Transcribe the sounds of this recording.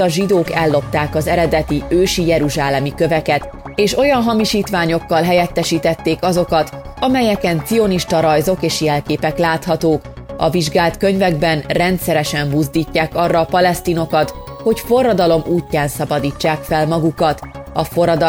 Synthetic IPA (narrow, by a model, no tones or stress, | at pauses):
ɒʒid̪oːkɛlːo̞p̚t̪aːkɒzɛɾɛd̪ɛt̪iøːʃijɛɾuʒaːlɛmikøvɛkɛt̪ | eːʃo̞jɒnɦɒmiʃiːt̪ʋaːɲo̞kːɒlɦɛjɛt̪ːɛʃiːt̪ɛt̪ːeːkɒzo̞kɒt̪ɒmɛjɛkɛnt̪sio̞niʃt̪ɒɾɒjzo̞keːʃjɛlkeːpɛklaːt̪hɒt̪oːk | ɒ̰viʒɡaːlt̪kø̞ɲvɛɡ̚bɛnrɛnt̪sɛɾɛʃɛmbuzd̪iːcːaːkɒrːɒːpɒlɛst̪iːno̞kɒt̪ | ho̞cfo̞rːɒd̪ɒlo̞mʔuːcːaːnsɒbɒd̪iːt͡ʃːaːkfɛlmɒɡukɒt̪ɒfo̞ɾɒd̪